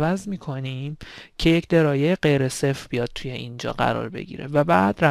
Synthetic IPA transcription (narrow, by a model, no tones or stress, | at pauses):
væzmiːkʰo̞nimcʰe̞jecʰd̪e̞ɾɒːjejeɢe̞jɾesefbijɒːd̪̥̚t̪ʰuje̞ʔind͡ʒɒ̰ːɢæ̰ɾɒ̰ːɾbe̞̰ɟḭːɾe̞̰væbæːd̪ræ